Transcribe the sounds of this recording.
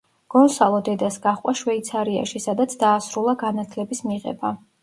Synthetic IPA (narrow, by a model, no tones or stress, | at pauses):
ɡ̥ɔnsalˠɔd̪ɛd̪asɡaχqʼaʃwɛit̪sʰaɾia̰ʃisad̪at̪sʰd̪aːsɾulˠaɡanat̪ʰlɛbismiʁɛ̰ba